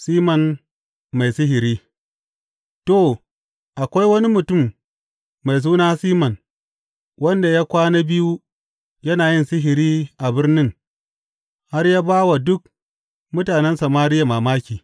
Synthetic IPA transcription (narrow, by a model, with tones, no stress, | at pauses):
siː˦mɐ˨n | ma˨jsɪ˦ɦɪ˨ɾiː˦ | to˨ | ʔa˨kʷa˦jwɐ˦ni˦mʊ˨tʊ˦˨mː | a˨js̬uː˦naː˦siː˦mɐ˨n | wɐ˦nda˨ja˦kʷaː˦na˦bɪ˦ju˦ | jɐ˦naː˨jɪ˦nsɪ˦ɦɪ˨ɾiː˦ʔa˨bɪ˦rnɪ˦ŋ | ha˦rja˦baː˦wa˨dʊ˦k̚ | mʊ˦taː˨nɛ˦nsɐ˨maː˦ɾɪ˦ja˨maː˨maː˦kʲiː˨